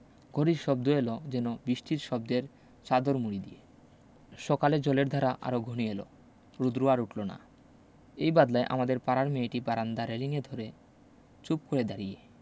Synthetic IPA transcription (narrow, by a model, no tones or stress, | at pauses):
ɡ̥ʱoɾiɾʃɔbd̪oelod͡ʑɛnobiʃʈiɾʃɔb̚d̪eɾ | t͡ɕad̪oɾmuɽid̪ie | ʃɔkaled͡ʑɔleɾd̪ʱaɾaʔa̰ɾoɡʱonielo̰ | ɾud̪ɾuaɾuʈlona̰ | ejbad̪laeʔa̰mad̪eɾpaɾaɾmeeʈipaɾand̪aɾeliŋed̪ʱoɾe | t͡ɕup̚koɾed̪aɾije